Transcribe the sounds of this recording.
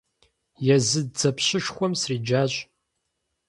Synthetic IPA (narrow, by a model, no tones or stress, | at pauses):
jɛzɨdd͡zɐpʰɕɪʂxʷɔmsriːd͡ʒaːɕʼ